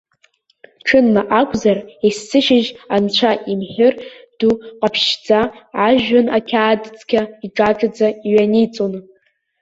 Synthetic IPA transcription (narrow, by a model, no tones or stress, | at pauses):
ʈ͡ʂʰɨnːaʔakʷʰʼzaresːɨʃɪʒant͡ɕʷʰaʔimħɪrd̥uqʼapʰʃd͡zaːʒᶣːanakʲʰaːdt͡sʰʼkʲʰaiʈ͡ʂʼaʈ͡ʂʼɨd͡zaiɥanijt͡sʼon